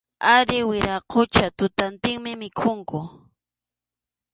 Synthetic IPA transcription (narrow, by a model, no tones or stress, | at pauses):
aɾɪwɪɾaqʰot͡ʃat̪ʊt̪ant̪ɪŋmɪmɪkʰʊŋkʊ